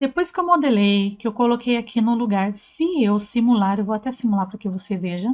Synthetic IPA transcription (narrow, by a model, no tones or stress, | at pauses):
d̪̥epojskewmod̪elejkɪewkolokʰejakʰinʊluɡaɾsɪewsimulaɾewvowat̪ɛsimulaɾpɾɐkɪvoseveʒɐ